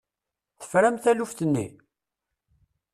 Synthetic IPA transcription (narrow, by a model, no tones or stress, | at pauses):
θə̥fɾæmθælufθənːḭ